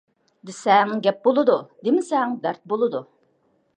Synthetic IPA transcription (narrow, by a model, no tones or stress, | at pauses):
d̪ɪsɛŋɡʲɛp̚bolˠɨd̪ud̪ɪmɪsɛŋd̪æɾt̪̚bolˠɨd̪u